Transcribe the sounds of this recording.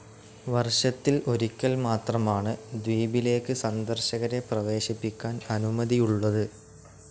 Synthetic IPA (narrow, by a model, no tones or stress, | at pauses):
ʋɐrʂɐt̪ːilo̞ɾikʲːɐlmaːt̪rɐmaːɳɨd̪wiːbile̞ːkːɨsɐnd̪ɐrɕɐɣɐɾe̞prɐʋe̞ːɕipːikʲːaːnɐnumɐðijuɭːɐðɨ